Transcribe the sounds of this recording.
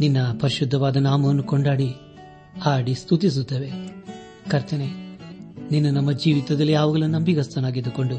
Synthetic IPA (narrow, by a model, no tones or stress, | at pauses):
ninːɐpɐɾiʃud̪ʱːɐʋaːd̪ɐnaːmɐʋɐnːukoɳɖaːɽi | aːɽist̪ʰut̪is̬ut̪ːeːʋe̞ | kɐɾt̪ɐne | ninːunɐmːɐd͡ʒiːʋit̪ɐd̪ɐlːijaːʋuɡɐɭunɐmbiɡɐst̪ɐnaːɡid̪uko̞ɳɖu